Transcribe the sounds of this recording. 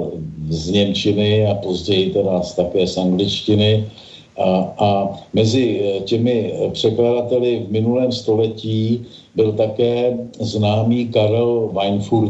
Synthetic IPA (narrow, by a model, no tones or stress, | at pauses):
zɲɛmt͡ʃɪnɪapo̞zɟɛjɪt̪ɛdast̪akɛːsʔaŋɡlɪt͡ʃcɪnɪ | amɛzɪcɛmɪpr̝̥ɛkladat̪ɛlɪvmɪnulɛːmst̪o̞lɛciː | bɪlt̪akɛːznaːmiːkaɾɛlvajnfuɾt̪